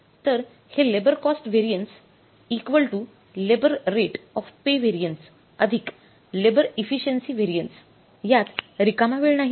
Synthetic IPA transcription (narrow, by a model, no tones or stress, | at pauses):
t̪əɾ | helebəɾkɔsʈʋeɾijəɳʈs | ikʋəlʈu | lebəɾɾeʈɔfpeʋeɾijəɳʈs | əd̪ʱik | lebəɾefiɕənsiːʋeɾijəɳʈs | jat̪ɾikamaʋeɭnaɦ